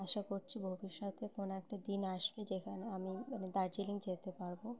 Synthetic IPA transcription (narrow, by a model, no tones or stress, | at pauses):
aʃakoɾt͡ɕʰibʱobiʃːɔt̪ekonoɛk̚ʈad̪inaʃbed͡ʑekʰaneamimaned̪aɾd͡ʑiliŋd͡ʑet̪epaɾbo